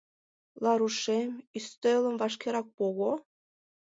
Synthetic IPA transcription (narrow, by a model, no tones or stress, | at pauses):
lˠɑɾuʃemist̪elˠə̆mvɑʃkʲeɾɑk̚poɣo